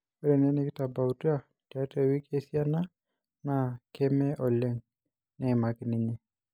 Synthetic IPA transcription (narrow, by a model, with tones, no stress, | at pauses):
ɛ˦ɾɛ˨nɛ˦ne˦kɪ˦ta˨ba˨u˨ta˦ | ta˦te˨wi˦ke˦si˦a˦na˦ | na˨kʰɛ˦mɛ˦ʔɔ˨le˦ŋ | nɛ˨ma˨kni˨ɲɛ˦